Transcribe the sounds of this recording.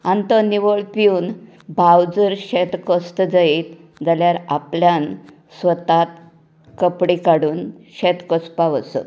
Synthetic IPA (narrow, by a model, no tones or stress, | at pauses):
ant̪əniʋoɭpiuːn | bʱawd͡zəɾɕet̪kəst̪əd͡zait̪ | d͡zaljaɾa̰pljan | sʋət̪at̪̚ | kəpɽikaɽuːnɕet̪kɔspaʋəsə̰